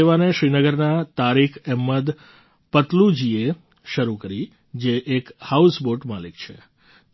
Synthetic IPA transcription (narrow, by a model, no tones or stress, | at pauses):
eʋaneʃɾinəɡəɾnat̪aɾikʰɛmːəd̪ | pət̪lud͡ʒie | ʃəɾukəɾi | d͡ʒeʔekhausboɾʈmalikt͡ʃʰḛ